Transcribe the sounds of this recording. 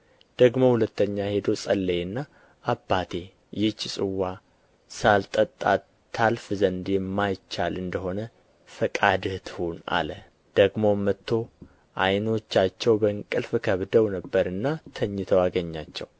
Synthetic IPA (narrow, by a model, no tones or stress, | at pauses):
d̪̥əɡmo̞hulət̪ʰːəɲːahe̞d̪o̞sʼəlːəjnːa | ʔːbːat̪ʰe̞ | jɪt͡ʃːsʼɨwːa | salt̪ʼət̪ʼːa̰ː | alfzənd̪jɛmːajt͡ʃːalɨnd̪əho̞nə | fəkʼad̪ht̪huna̰lə | d̪̥əɡmo̞mːət̪ʰːo̞ | ʔa̰jno̞t͡ʃːat͡ʃːɛwbəŋkʼɨlfkʰəβd̪əwnəbːəɾɨnːat̪ʰəɲːɪt̪ʰəwaɡəɲːat͡ʃːɛ̰w